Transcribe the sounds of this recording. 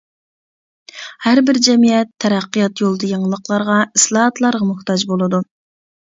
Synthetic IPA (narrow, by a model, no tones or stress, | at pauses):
hæɾbɪɾd͡ʒɛmijɛt̪ʰːɛɾæqːijɑt̪jolˠd̪ɑjəɴəlˠəqlˠɑɾʁɑɨslˠɑhɑt̪lˠɑɾʁɑmʊht̪ɑd͡ʒbolˠɨd̪u